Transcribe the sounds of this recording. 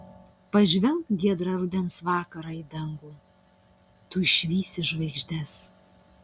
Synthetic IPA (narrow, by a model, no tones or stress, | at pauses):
pɐʒʲʋʲɛmkɡʲiɛd̪ɾɑɾʊd̪ʲɛnsʋɑːkɐɾɑid̪ɐŋɡuː | t̪uɪʃʲʋʲiːsʲɪʒʋɐɪɡʒʲd̪ʲɛs